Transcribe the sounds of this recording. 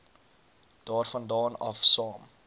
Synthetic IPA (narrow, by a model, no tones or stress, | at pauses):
d̥ɑːrfɐndɑːnɐ̰fsɑːm